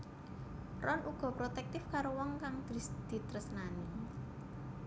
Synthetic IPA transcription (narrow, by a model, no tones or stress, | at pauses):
rɔnuɡ̥ɔ̤pɾot̪ɛk̚t̪ɪfkaɾowɔŋkaŋd̪̥ɾsd̪̥i̤t̪ɾəsnani